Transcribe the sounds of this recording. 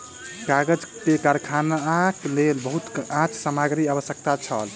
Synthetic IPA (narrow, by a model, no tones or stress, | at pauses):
kaɡəd͡ʒkekaɾkʰanaklelbəɦut̪ãt͡ʃʰsəmaɡɾiəbəsjək̚t̪at͡ʃʰə̰l